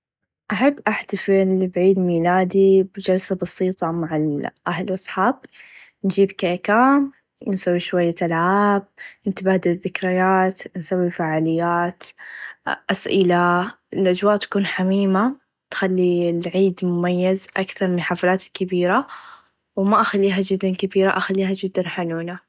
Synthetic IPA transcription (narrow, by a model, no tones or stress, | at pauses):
ʔaħabːʔaħt̪afɪlbʕiːd̪miːlaːd̪ibd͡ʒalsabɑsiːt̪ˤɑmaʕɪlʔaɦlʔɑsˤħaːb̚ | nd͡ʒiːbkakaːm | nsawːiʃwajːat̪alʕaːb̚nt̪abaːd̪aðːɪkɾɪjaːt̪nsawːifaːʕaːlɪjːaːt̪ | ʔasʔɪla | ɪlʔad͡ʒwaːʔt̪ḁkuːnħamiːma | t̪xalːilʕiːd̪mʊmajːazʔakθɑɾˤmɪnħaːfalaːt̪ɪkːabiːɾa | wmaʔaxalːiːɦad͡ʒɪd̪ːankabiːɾaʔaxalːiːɦad͡ʒɪd̪ːanħanuːna